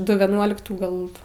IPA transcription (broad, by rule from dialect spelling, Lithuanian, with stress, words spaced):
ˈdʊ ʋʲiɛˈnuɔlʲɪktuː ˈɡɐlˠ